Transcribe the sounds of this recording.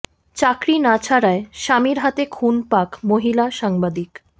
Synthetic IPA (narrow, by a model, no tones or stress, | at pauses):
t͡ɕakɾinat͡ɕʰaɾaeʃamiɾɦat̪ekʰunpakmoɦilaʃaŋbad̪ik